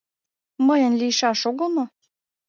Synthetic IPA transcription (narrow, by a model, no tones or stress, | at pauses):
məjə̆nlʲijʃɑʃoɣəlmo